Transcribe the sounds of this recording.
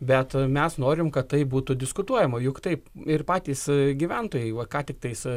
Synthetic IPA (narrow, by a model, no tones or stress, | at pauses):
bʲɛt̪mʲɛsnoːɾʲɪmkɐt̪t̪ɐɪbuːt̪ʊd̪ʲɪskʊt̪uɔjɛmɐjʊkt̪ɐɪpɪrpɑːt̪ʲiːsɡʲiːʋʲɛnt̪oːjɛɪʋɐkɑːt̪ʲɪk̚t̪ɐɪs